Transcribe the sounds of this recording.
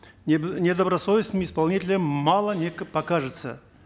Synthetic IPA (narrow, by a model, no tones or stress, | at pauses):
nʲed̪əbɾɐsovʲɪsnɨmʲɪspɐlˠnʲitʲɪlʲɪmmɑlˠənʲekpɐkaʐɨt̪sə̰